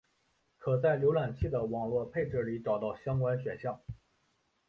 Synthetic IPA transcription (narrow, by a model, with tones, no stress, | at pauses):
kʰɤ˨˩t͡sa˥˩ɪljo˧˥ʊlwa˨˩nt͡ɕʰi˥˩d̪ə˩wɑ˨˩ŋlwɔ˥˧pʰe˥˧ɪʈ͡ʂɤ˥˩li˨˧˥ʈ͡ʂɑ˨˩ʊt̪ɑ˥˩ʊɕjɑ˥ŋkwa˥nɕɥɛ˨˩nɕjɑ˥˩ŋ